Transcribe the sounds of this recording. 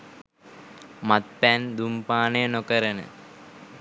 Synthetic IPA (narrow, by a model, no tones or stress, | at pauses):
mat̪̚pænd̪umpaːnəjənokəɾənə̰